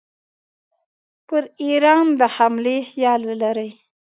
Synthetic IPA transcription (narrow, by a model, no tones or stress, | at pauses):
pəɾiɾɑnd̪əhamlehjɑlwəlaɾəj